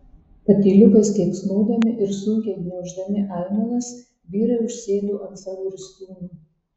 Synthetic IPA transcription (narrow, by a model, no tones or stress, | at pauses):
pɐt̪ʲiːlʲʊkɐst̪ʲɛɪpsnuːd̪ɐmʲɪʔɪɾsʊŋʲkʲɛɪɡnʲɛʒd̪ɐmʲɪʔɑˑɪmɐnɐs | bʲiːɾɐʊʃʲsʲeːd̪uːʔɐnsɐlʊɾʲst̪uːnuː